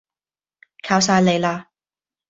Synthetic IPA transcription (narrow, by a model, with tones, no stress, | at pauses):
kʰaː˨˥wsaː˧jle˨˧jlaː˧